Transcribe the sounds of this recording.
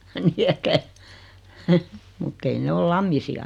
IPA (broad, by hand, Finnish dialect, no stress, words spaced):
ni etːæ mutː ei ne ol lɑmːisiɑ